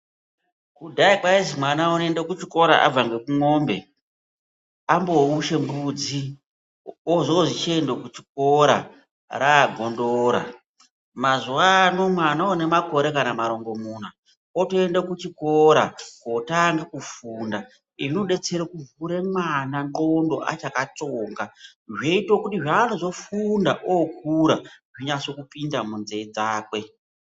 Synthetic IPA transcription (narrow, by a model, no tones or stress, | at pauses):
kudʱaikwaizimwanaonendekut͡ʃiko̞ɾa̰ʔa̰b͡vaŋɡe̞kuŋo̞ːmbe̞ | ambo̞uʃe̞mbud͡zi | oʐooʐit͡ʃiendokut͡ʃi̥k̚o̞ɾa̰ | ɾaːɡʱo̞ndoːɾa̰ | mazuwano̞mwanaone̞mako̞ɾe̞kanamaɾo̞ŋɡo̞muːna | otoe̞ndokut͡ʃiko̞ɾakotaŋɡekufuːnda | iʐino̞ɗe̞t͡se̞ɾokuvuɾemwananɡo̞ndo̞̰ʔa̰t͡ʃakat͡soːŋɡa | ʐeitokutiʐaːno̞zo̞fundaʔok̚uɾaʐiɲaso̞kupindamunzeid͡zaːkwe̞